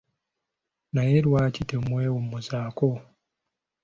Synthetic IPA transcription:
najeɾwaːcitemweomuzaːko

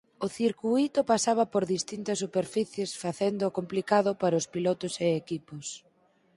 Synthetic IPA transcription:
ʊθiɾkuit̪ʊpasaβɐpoɾðist̪int̪ɐsːupeɾfiθjesfaθend̪ʊːkomplikaðʊpaɾʊspilɔt̪ʊseekipos

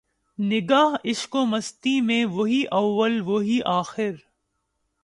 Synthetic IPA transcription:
nɪɡaːɦɪʃkoːmɐst̪imẽʋɐɦiʔɐʋːəlʋoɦiʔaːxɪɾ

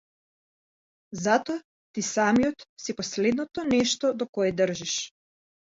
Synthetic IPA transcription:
zat̪ɔa | t̪isamijɔt̪sipɔslɛd̪nɔt̪ɔnɛʃt̪ɔd̪ɔkɔɛd̪ər̩ʒiʃ

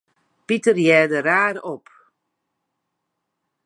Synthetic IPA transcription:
pitərjɛːdəraːɾop

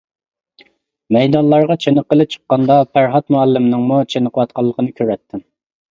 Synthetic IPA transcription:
mɛjd̪ɑnlˠɑɾʁɑt͡ʃʰenəqəlˠɨp̚t͡ʃʰə̥qːɑnd̪ɑpʰæɾɦɑt̪muɑlːɪmnɨŋmut͡ʃʰenəqʰəwɑt̪̚qʰɑlˠːəqʰənɨkʲʰøɾɛt̪ʰːɪm

